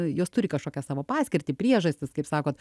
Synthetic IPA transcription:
joːst̪ʊɾʲɪkɐʃkoːkʲɛsɑːʋoːpɑːsʲkʲɪɾʲt̪ʲɪːpʲɾʲiɛʒɐsʲt̪ʲɪskɐɪpsɑːkoːt̪

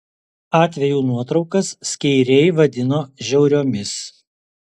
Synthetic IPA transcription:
ɑːt̪ʲʋʲɛjuːnuɔt̪ɾɒʊkɐsːʲkʲɛɪɾʲɛɪʋɐd̪ʲɪnoːʒʲɛʊɾʲoːmʲɪs

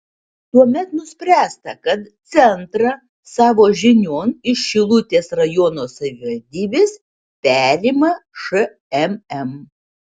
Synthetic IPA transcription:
t̪uɔmʲɛt̪nʊsʲpʲɾʲæːst̪ɐkɐt̪t̪sʲɛnt̪ɾɐ | sɑːʋoːʒʲɪnʲoːnɪʃʃʲɪlˠʊt̪ʲeːsɾɐjɔnoːsɐʋʲɪʋɐɾʲd̪ʲiːbʲeːs | pʲæːɾʲiːmɐʃɨ | ɛmɛm

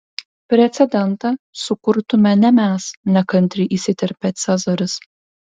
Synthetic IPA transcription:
pʲɾʲɛt̪sʲɛd̪ʲɛnt̪ɐsʊkʊɾt̪ʊmʲɛnʲɛmʲæːsnʲɛkɐnʲt̪ʲɾʲɪʔisʲɪt̪ʲɛɾʲpʲɛt̪sʲɛzɐɾʲɪs

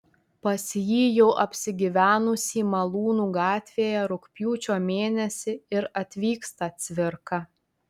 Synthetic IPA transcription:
pɐsʲjiːjɛʊʔɐpʲsʲɪɡʲɪʋʲæːnʊsʲiːmɐlˠuːnuːɡɑːt̪ʲʋʲeːjɛɾʊkpʲjuːt͡ʃʲoːmʲeːnʲɛsʲɪɪɾɐt̪ʲʋʲiːkst̪ɐt̪sʲʋʲɪɾkɐ

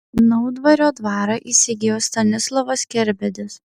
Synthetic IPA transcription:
nɐʊd̪ʋɐɾʲoːd̪ʋɑːɾɑʔiːsʲɪɡʲeːjoːst̪ɐnʲɪslˠɔʋɐskʲɛɾʲbʲɛd̪ʲɪs

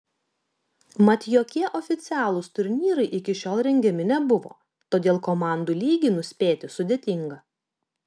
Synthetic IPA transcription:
mɐt̪ʲjoːkʲiɛʔɔːfʲɪt̪sʲæːlˠʊst̪ʊɾʲnʲiːɾɐɪʔɪkʲɪʃʲoːlˠɾʲɛŋʲɡʲɛmʲɪnʲɛbʊʋo̰ː | t̪oːd̪ʲeːlˠkomɑˑnd̪uːlʲiːɡʲinʊsʲpʲeːt̪ʲɪsʊd̪ʲeːt̪ʲɪŋɡɐ

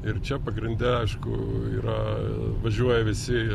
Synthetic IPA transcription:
ɪrt͡ʃʲɛpɐɡɾʲɪnʲd̪ʲɛɐɪʃkʊ̰ḭːɾɐʋɐʒʲuɔjɛʋʲɪsʲɪ

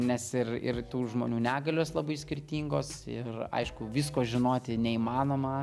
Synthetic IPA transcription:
nʲɛsɪrɪ̰rt̪uːʒmoːnʲuːnʲæːɡɐlʲoːslˠɐbɐɪsʲkʲɪrʲt̪ʲiːŋɡoːsɪ̰rɐ̰ɪʃkʊʋʲiːskoːʒʲɪnoːt̪ʲɪnʲɛiːmɑːnoːmɐ

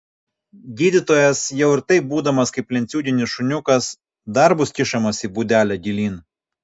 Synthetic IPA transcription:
ɡʲiːd̪ʲɪt̪oːjɛsjɛʊɪɾt̪ɐɪp̚buːd̪ɐmɐskɐɪpʲlʲɛnt̪sʲuːd̪ʲɪnʲɪsʃʊnʲʊkɐs | d̪ɐɾbʊskʲɪʃɐmɐsiːbuːd̪ʲæːlʲæɡʲilʲiːn

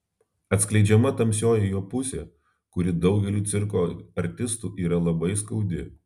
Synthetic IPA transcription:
ɐt̪sklʲɛɪd͡ʒʲɛmɐt̪ɐmʲsʲoːjɛjoːpʊsʲḛː | kʊɾʲɪd̪ɒʊɡʲɛlʲuːt̪sʲɪɾkoːɐɾʲt̪ʲɪst̪uːʔiːɾɐlˠɐbɐɪskɐʊd̪ʲɪ̰

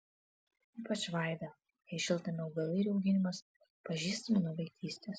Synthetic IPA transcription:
iːpɐt͡ʃʋɐˑɪd̪ɐ | jɛɪʃʲɪlˠt̪ɐmʲɛɐʊɡɐlˠʲɐɾʲʊɡʲɪnʲɪmɐs | pɐʒʲiːst̪ɐmʲɪnʊʋʲɐɪkt̪ʲiːsʲt̪ʲes

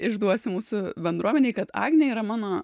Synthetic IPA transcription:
ɪʒd̪uɔsʲɪmuːsʊbʲɛnd̪ɾuɔmʲɛnʲeɪkɐt̪ɑ̰ːɡnʲɛiːɾɐmɑːnoː

